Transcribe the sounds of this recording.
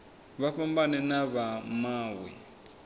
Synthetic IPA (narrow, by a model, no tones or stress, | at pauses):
βaɸambanɛnaβamaːwɛ̰